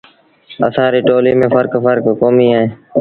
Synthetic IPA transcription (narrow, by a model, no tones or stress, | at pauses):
ə̰sãːɾiːʈoːliːmẽːfəɾkfəɾkkoːmiːaːɦẽː